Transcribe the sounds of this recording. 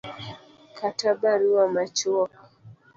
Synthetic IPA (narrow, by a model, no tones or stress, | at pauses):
kʰatabaɾiwamat͡ʃuɔk